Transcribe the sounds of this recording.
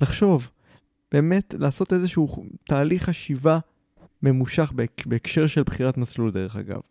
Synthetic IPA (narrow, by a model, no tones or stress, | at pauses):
laχʃo̞v | b̥e̞ːme̞tlaːso̞te̞zeʃuut̪aːliχaʃiva | me̞muʃaχbebe̞ːkʃe̞ʁʃelbχiʁatmasluld̪e̞e̞χa̰ɡa̰v